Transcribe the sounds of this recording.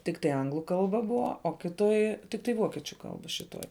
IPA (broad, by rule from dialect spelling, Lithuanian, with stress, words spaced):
tʲɪkˈtɐɪ ˈɐŋɡlˠʊ ˈkɐlˠbɐ ˈbʊʋɐ oː ˈkʲɪˌtoːj tʲɪkˈtɐɪ ˈʋoːkʲiɛt͡ʃʲʊ ˈkɐlˠbɐ ʃʲɪˈtoːj